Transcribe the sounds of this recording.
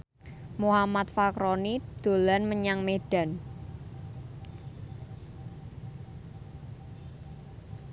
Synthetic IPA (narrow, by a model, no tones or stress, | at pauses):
muhamat̪fakɾonid̪̥o̤lanməɲaŋmeɖ̥a̤n